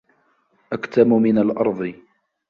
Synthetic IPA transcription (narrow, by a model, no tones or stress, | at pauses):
ʔakt̪amʊmɪnalʔɑ̰ɾˤd̪ˤɨ